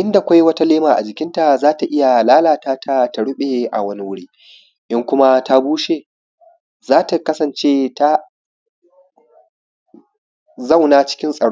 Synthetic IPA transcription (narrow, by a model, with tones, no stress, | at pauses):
ʔɪ˦nda˨kʷa˦jwɐ˦ta˦leː˦maː˨ʔa̰˨d͡ʒɪ˨kʲɪ˦nta˨zaː˦ta˨ʔɪ˦ja˨laː˦laː˨taː˦tʰa˦˨ta˨ɽʊ˦ɓe˨ʔa̰˨wɐ˦ni˦wʊ˦ɽiː˦ | ʔɪ˦ŋkʷʊ˦ma˦ta˦buː˦ʃeː˨ | zaː˦ta˨kɐ˦sɐ˨nt͡ʃeː˦ta˦ | zɐ˦wnaː˦t͡ʃɪ̥˦kʲɪ˦nsʼɐ˨ɽ